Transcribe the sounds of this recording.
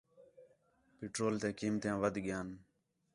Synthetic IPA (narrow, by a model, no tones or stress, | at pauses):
pɪʈɾoːlt̪eːkiːmt̪jãːʋəd̪ʱɡɪjaːn